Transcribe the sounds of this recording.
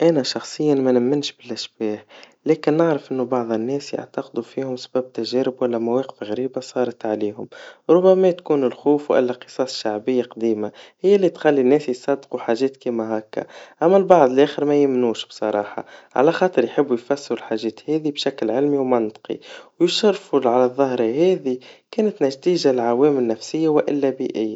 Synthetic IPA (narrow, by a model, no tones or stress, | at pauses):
ʔænæʃɑxsˤəjːanmænɪmːɪnʃbɪlʔɪʃbɛːh | lɛːkɪnːəʕɾɑfʔɪnːubɑʕðˤənːɛːsja̰ʕt̪ɑqd̪ufiːhʊmsbæːb̚t̪æʒɛːɾɪbwælːæmawɛːqə̥fɣæɾiːbasˤɑːɾˤɑt̪ʕaliːhʊmɾˤʊbːæmæt̪kuːnɪlxuːfwʔɪ̰lːæqɨ̥sˤɑːsˤʃaʕbɪjːaqd̪iːmahɪjːælːit̪xalːinːɛːsjsˤɑd̪ːquħaːʒɛːt̪kiːmæɦækːa̰ʔæmːælbɑʕd̪ˤəlʔæːxɪɾmæjɪmnuːʃb̥sˤɑɾˤɑːħɑ̰ʕa̰læxɑːt̪ˤɨɾjħɪbːujfæsːɪɾʊlħaːʒɛːt̪hɛːðibʃæklʕɪlmiwmɑnt̪ˤqḭwjɪʃɑrˤfulʕalæðˤːɑhɾˤɑhɛːðikɛːnɪt̪naʒt̪iːʒalʕawɛːmɪlnːæfsɪjːawʔɪlːæbiːʔɪjːa